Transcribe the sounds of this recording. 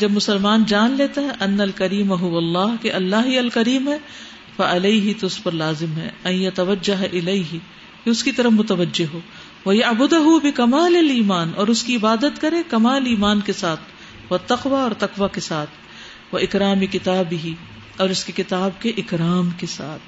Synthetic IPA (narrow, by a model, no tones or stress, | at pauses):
d͡ʒɐbmʊsɐlmaːnd͡ʒaːnleːt̪aɦɛʔɐnːɐlkɐɾiːmaɦʊʋɐlˤːɑːɦkeʔɐlːaːɦiɐlkɐɾiːmɦɛ | fɐʔɐleɪɦɪt̪oʊspɐɾlaːzɪmɦɛ̰ɐ̃jjɐt̪ɐʋɐd͡ʒːɐɦʔɪleɪɦɪ | keʊskit̪ɐɾəfmʊt̪ɐʋɐd͡ʒːɪɦɦoː | ʋɐjɐʕbʊd̪ʊɦubɪkɐmaːlɐliːmaːnɔːɾʊskiɪbaːd̪ət̪kɐɾẽkɐmaːliːmaːnkesaːt̪ʰ | ʋɐt̪ɐqʋaɔːɾt̪ɐqʋakesaːt̪ʰ | ʋɐʔɪkɾaːmekɪt̪aːbɪɦi | ɔːɾʊskekɪt̪aːbkeʔɪkɾaːmkesa̰ːt̪ʰ